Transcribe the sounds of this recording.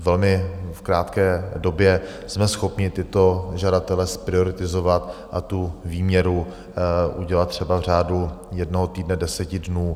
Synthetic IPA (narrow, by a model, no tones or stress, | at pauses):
vɛlmɪfkɾaːt̪kɛːdo̞bjɛ | smɛsxo̞pɲɪt̪ɪt̪o̞ʒadat̪ɛlɛspɾɪo̞ɾɪt̪ɪzovat̪ʔat̪uviːmɲɛɾu | ʔuɟɛlat̪t̪ːr̝̥ɛbavr̝aːdujɛdnoɦot̪iːdnɛdɛsɛcɪdnuː